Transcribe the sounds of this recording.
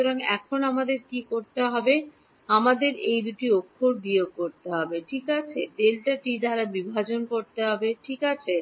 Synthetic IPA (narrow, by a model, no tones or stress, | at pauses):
oɾaŋɛ̰kʰonamad̪eɾkikoɾt̪eɦɔbe | amad̪eɾejd̪uʈiokʰːoɾbiokoɾt̪eɦɔbeʈʰikat͡ɕʰet̪elʈaʈid̪ʱaɾabibʱad͡ʑonkoɾt̪eɦɔbeʈʰikat͡ɕʰe